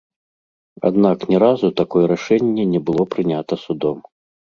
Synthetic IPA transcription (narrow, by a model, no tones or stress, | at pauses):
a̰d̪naknʲɛɾazut̪akɔjɛɾaʂɛnʲːɛnʲɛbɨlˠɔpɾɨnʲat̪ɐsud̪ɔm